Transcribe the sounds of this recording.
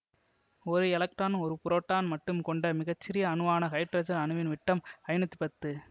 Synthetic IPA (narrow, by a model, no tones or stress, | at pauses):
ɔɾɯɛlɐk̚ʈaːnɯɔɾɯpʊɾoːʈːaːnmɐʈːɯmkɔɳɖɐmɪɣɐt͡ʃːɪɾɪjɐːnɯʋaːnɐkɐɪʈɾɐd͡ʒɐnɐnɯʋɪnʋɪʈːɐmɐɪnɐt̪ːi̥pɐt̪ːɯ